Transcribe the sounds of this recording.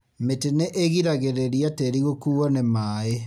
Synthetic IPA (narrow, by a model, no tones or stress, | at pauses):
meteneʔeɣiɾaɣeɾeɾiateɾiɣokuːɔnemaːe